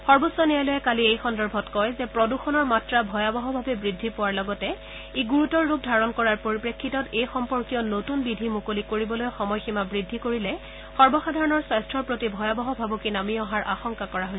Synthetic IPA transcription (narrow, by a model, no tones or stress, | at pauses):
xɔɹbosːɔnijalɔjɛkaliejxɔndɔɹbʱɔtkɔjzɛpɹɔduxɔnɔɹmatɹabʱɔjabɔɦɔbʱabɛbɹidʱːipɔwaɹlɔɡɔtɛ | eɡuɹutɔɹːuk̚dʱaɹɔnkɔɹaɹpoɹipɹekʰːitɔtejxɔmpɔɹkijɔnotunbidʱimukolikoɹibɔlojxɔmɔjximabɹidʱːikoɹilɛ | xɔɹbɔxadʱaɹɔnɔɹswajstʰɹɔɹpɹotibʱɔjabɔɦɔbʱabukinamiɔɦaɹʔaxɔŋkakɔɹaɦojs